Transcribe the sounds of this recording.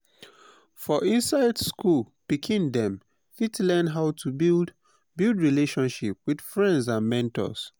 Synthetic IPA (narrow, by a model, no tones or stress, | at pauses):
fɔʔĩnsaɪdskul | pikʰĩndɛ̃m | fitlɛnɦaʊtʰubd | bilˠdɹileʃɔ̃nʃip̚wid̥fɹɛ̃ndzãnmɛ̃ntɔ̰s